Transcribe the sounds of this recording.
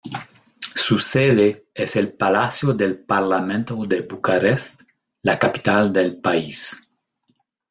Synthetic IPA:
suseðeeselpalasjod̪elpaɾlamẽnt̪od̪ebukaɾest̪ | lakapi̥t̪ald̪elpais

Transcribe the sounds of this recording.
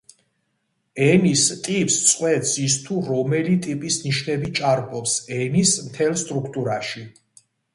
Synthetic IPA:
ɛnist̪ʼipʼst̪sʼqʼwɛt̪sis̬t̪ʰuɾɔmɛlit̪ʼipʼisniʃnɛbit͡ʃʼaɾpʼɔpsɛnismt̪ʰɛlˠst̪ʼɾukʰt̪ʼuɾaʃi

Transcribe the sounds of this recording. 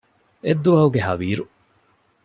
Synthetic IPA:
ed̪ːuʋɐɦuɡeɦɐʋiːɾu

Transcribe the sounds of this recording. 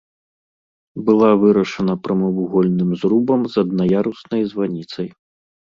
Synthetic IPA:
bɨlˠavɨɾɐʂɐnɐpɾɐmɐvuɣɔlʲnɨmzɾubɐmzɐd̪̚nɐjaɾusnɐjzvanʲit̪sɐj

